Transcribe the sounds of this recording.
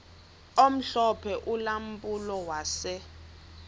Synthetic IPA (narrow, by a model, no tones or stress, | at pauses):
om̩ɬɔpʰɛʔulam̩pʼulɔwaːsɛ